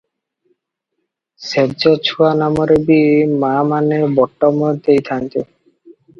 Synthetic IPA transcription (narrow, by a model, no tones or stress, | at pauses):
seb̚d͡ʑɔt͡ɕʰuanamoɾebimamanebɔʈːɔmod̪ejt̪ʰant̪e